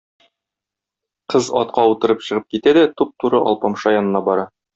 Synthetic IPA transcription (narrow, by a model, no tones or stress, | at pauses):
qɤzɒ̰t̪̚qɑut̪ɤ̆ɾɤpɕɤ̆ʁɤp̚kit̪æd̪æt̪up̚t̪uɾɤʔɒ̰lˠpɑmʃɑjɒnɤ̆nɑbɒɾɑ